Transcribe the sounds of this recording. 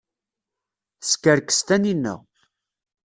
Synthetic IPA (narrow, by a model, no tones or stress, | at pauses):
skːəɾkə̥st̪æninːə̰ʁ